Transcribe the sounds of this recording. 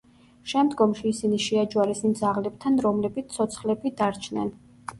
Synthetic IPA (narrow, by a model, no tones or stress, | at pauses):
ʃɛmd̪ɡɔmʃiːsiniʃɛad͡ʒwaɾɛsimd̪zaʁlɛb̚t̪ʰanɾɔmlɛbit̪sʰɔt̪sʰχlɛbid̪aɾt͡ʃʰnɛ̰n